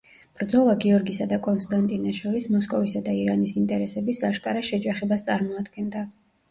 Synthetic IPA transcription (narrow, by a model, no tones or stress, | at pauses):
b̥ɾd̪zɔlˠaɡiɔɾɡisad̪akʼɔnst̪ʼant̪ʼinaʃɔɾismɔskʼɔvisad̪aiɾanisint̪ʼɛɾɛsɛbisaʃkʼaɾaʃɛd͡ʒaχɛbast̪sʼaɾmɔad̪ɡɛnd̪a